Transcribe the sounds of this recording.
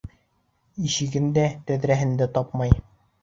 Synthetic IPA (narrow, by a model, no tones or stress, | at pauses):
iɕɘ̆ɡɘnd̪æt̪æðɾæɦɘ̆nd̪æt̪ɑp̚mɑj